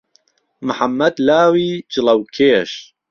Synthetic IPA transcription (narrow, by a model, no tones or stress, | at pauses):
mɨħamːɐd̪laːwiːd͡ʒɨlɐwkʰeːʃ